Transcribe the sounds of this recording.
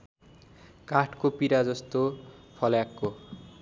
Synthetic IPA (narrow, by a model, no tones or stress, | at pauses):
kaʈʰkopiɾad͡zʌst̪opʰʌlakːo